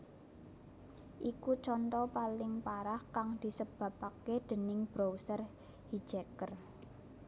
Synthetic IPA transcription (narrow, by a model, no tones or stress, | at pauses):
ʔikut͡ʃɔnt̪ɔpalɪŋpaɾahkaŋd̪̥i̤səb̥ä̤paked̪̥ə̤nɪŋb̥ɾowsər | hi̥d͡ʒ̥ekər